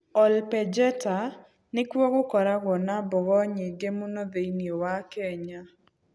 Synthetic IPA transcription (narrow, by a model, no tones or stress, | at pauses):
ɔlpɛd͡ʒɛta | nɪkwoɣokɔɾaɡɔnabɔɣɔɲɪɡemunod̪einiowakeɲa